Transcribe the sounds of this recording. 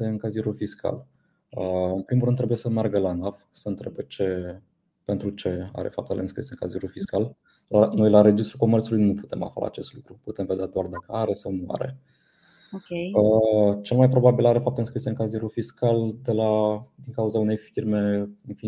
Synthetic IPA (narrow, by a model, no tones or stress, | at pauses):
e̞ɨŋkaziɾulfiskʰa̰l | əɨnpɾimurɾɨnɾebuje̞səmearɡəlanafsəɨnt̪ɾebet͡ʃe̞ | pe̞nt̪ɾut͡ʃe̞a̰ɾe̞̰fap̚t̪ḛlḛɨnskɾḭseɨŋkaziɾulfiskal | lanojlaɾe̞d͡ʒist̪ɾuko̞mert̪sulujnupu̥t̪e̞ma̰fa̰a̰t͡ʃe̞st̪lukɾuput̪e̞mved̪ead̪oard̪akəaɾesəwmoa̰ɾḛ | oe | t͡ʃe̞lmajpɾo̞babilaɾe̞fap̚t̪eɨnskɾiseɨŋkaziɾulfiskald̪e̞lad̪iŋkauzaune̞jfirme̞ɨnfi